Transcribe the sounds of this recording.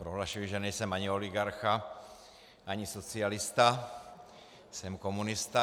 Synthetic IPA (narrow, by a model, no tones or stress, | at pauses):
pɾoɦlaʃujɪʒɛnɛjsɛmaɲɪo̞lɪɡaɾxa | ʔaɲɪsot͡sɪalɪst̪a | sɛmko̞munɪst̪a